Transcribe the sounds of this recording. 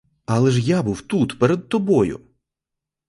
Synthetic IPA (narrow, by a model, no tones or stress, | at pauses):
ɐlˠɛʒjabuwt̪ut̪pɛɾɛd̪̚t̪ɔbɔjʊ̰